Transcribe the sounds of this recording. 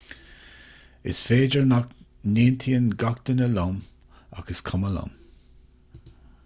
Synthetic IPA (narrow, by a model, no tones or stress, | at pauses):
ɪ̰sfeːd͡ʒəɹnak | neːnt̪ʰiːənɡak̚d̪ənəlam | a̰ɡ̥əskʰaməla̰m